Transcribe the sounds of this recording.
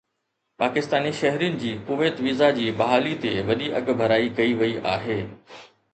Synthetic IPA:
paːkɪst̪aːniʃɐɦɾijʊnɪ̆d͡ʑiːkʊʋeːt̪ʋiːzad͡ʑiːɓɐɦaːlit̪eʋɐɗiʔɐ̰ɠbʱɐɾaːikɐiʋɐiʔa̰ːɦeː

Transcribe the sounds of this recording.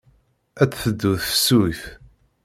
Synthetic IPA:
æt͡sːθəd̪ːuθfə̥sːuθ

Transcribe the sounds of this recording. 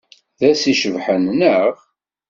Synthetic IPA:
ðæsiʃəvħənːəʁ

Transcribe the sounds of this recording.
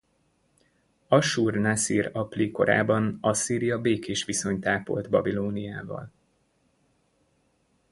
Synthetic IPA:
ɒʃuːrnasiːɾɒpliko̞̰ɾa̰ːbɒnɒsiːɾijɒbeːkeːʃʋiso̞ɲt̪aːpo̞̰lt̪bɒbiloːnijaːvɒ̰l

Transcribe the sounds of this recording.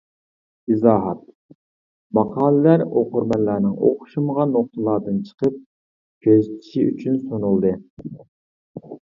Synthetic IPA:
izɑːɦɑt̪ | mɑqʰɑːlˠɨlæɾo̰qʊɾmɛlːæɾnɪŋo̰qʊ̥ʃuməʁɑnːoχt̪ɨlˠɑːd̪ɨnt͡ʃʰə̥qəp̚ | kʲʰøzt̪ʰi̥ʃiʔy̰t͡ʃʰynsonulˠd̪ɨ

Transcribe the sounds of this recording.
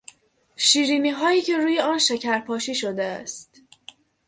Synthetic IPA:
ʃiːɾiːmiːɦɒːjiːcʰe̞ɾuːje̞ɒːnʃecʰæɾpʰɒːʃiːʃod̪eæ̰st̪

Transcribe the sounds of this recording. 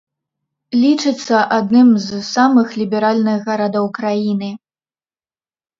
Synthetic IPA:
lʲit͡ʂɨt̪sːɐʔad̪nɨmzsamɨxlʲibʲɛɾalʲnɨɣɣɐɾad̪ɐwkɾajinɨ

